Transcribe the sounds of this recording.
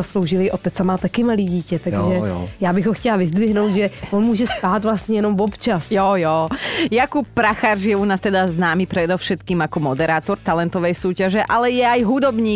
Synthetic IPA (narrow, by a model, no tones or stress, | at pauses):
aslowʒɪlɪʔot̪ɛt͡samaːt̪akɪmaliːɟiːcɛt̪aɡʒɛjaːbɪɣɦɔxcɛlavɪzd̪vɪɦnowd̪ʒɛvonmuːʒɛst̪aːt̪vlast̪ɲɛjɛnomvopt͡ʃasjojoːjakup̚ːɾaxaʒjɛunaːst̪ɛd̪aznaːmipɾɛd̪ɔfʃɛt̪kiːmakɔmɔd̪ɛɾaːt̪ɔɾt̪alɛnt̪ɔʋɛjsuːcaʒɛʔalɛjɛajɦud̪ɔbɲiː